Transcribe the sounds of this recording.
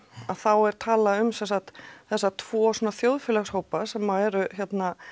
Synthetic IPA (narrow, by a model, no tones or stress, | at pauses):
aðθawɛɾ̥t̪ʰaːlaʏmsɛnsaxt̪θɛsːat̪ʰvɔːsɔːnaθjowðfɪlaxshoːwpasɛmːaɛɾʏçɛt̪na